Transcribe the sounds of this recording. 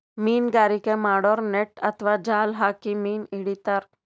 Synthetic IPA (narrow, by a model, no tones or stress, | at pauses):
miːnɡaːɾikemaːɽoːɾneʈɐt̪ʰʋad͡ʒaːlɦaːkimiːniɽit̪əɾ